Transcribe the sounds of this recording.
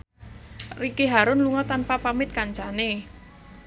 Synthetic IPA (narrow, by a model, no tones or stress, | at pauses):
rikeɦaɾʊnluŋɔt̪anpapamɪt̪̚kaɲt͡ʃane